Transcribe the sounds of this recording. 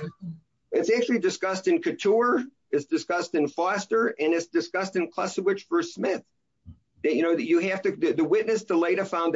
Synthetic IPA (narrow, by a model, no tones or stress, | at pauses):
ɨtsæk̚t͡ʃʉl̩ˠidɨskʌstɨ̃nkʰɨtʰuɹ | ɨtsd̥ɨskʌstɨ̃nfɑstə˞ɨ̃nɨtsd̥ɨskʌstɨ̃nkʰl̥ʌsɨwɨt͡ʃfə˞smɪθ | ɨjɨñoʊjɨhæftɨðɨðɨwɪtⁿnɨstʰəleɪɾɨfãʊ̃n